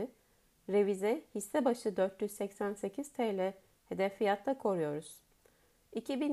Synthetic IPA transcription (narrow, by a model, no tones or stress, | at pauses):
ɾevizɛhisːɛbaʃɯd̪øɾt̪ʰjyzsɛcsænse̞cʰiz̥t̪ʰejlʲɛ | he̞d̪ɛfːijat̪ʰlˠakʰo̞ɾujo̞ɾuz̥ | icʰibin